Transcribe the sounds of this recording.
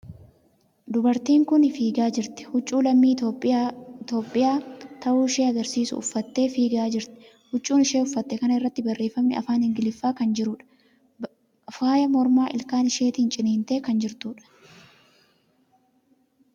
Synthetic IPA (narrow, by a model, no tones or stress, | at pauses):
d̪ʊbɐɾt̪iːŋkʊnfiːɡaːd͡ʒɪɾt̪ɪ̥hʊt͡ʃʼːuːlɐmːiːoɪt̪o̞ːpʼːɪjaːt̪ɐʔuːɪʃe̞ːɐɡɐɾsiːsʊ̰ʊ̰fːɐt̪ːe̞ːfiːɡaːd͡ʒɪɾt̪ɪ̥ | hʊt͡ʃʼːuːnɪʃe̞ːʊfːɐt̪ːɛkɐnɐɪrːɐt̪ːɪbɐrːe̞ːfɐmnɪɐ̰faːnhɪŋɡɪlɪfːaːkɐnd͡ʒɪɾuːᶑɐ̥ | faːjɐmɔɾmaːʔɪlkaːnɪʃe̞ːt̪iːnt͡ʃʼɪneːnt̪e̞ːkɐnd͡ʒɪɾt̪uːᶑɐ̥